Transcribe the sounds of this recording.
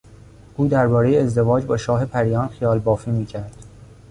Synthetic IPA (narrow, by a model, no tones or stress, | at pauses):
ʔuːd̪æɾbɒːɾe̞jeːzd̪e̞vɒːd͡ʒbɒːʃɒːɦe̞pʰæɾijɒːnxijɒːlbɒːfiːmiːcʰæɾd̪̥